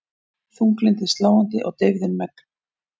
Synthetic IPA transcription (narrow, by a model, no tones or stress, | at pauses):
θuŋklɪnt̪ɪst̪laːwant̪ɪʔɔ̰ɣt̪ɪɣðɪnmɛk̪